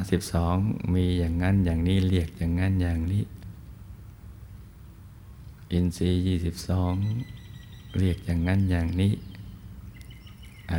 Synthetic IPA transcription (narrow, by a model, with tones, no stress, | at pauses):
si˨˩p̚sɔː˨˩˦ŋmiː˧jaː˨˩ŋːa˧˥˨njaː˨˩ŋniː˧˥˩li˧˩ək̚t͡ɕaː˨˩ŋŋːa˧˥˨njaː˨˩ŋniː˦˧˥ | ʔi˧nsiː˧jiː˧˩si˨˧˩p̚sɔː˩˦ŋ | li˧˩ək̚jaː˨˩ŋːa˧˥˨njaː˨˩ŋniː˦˥˩ | ʔ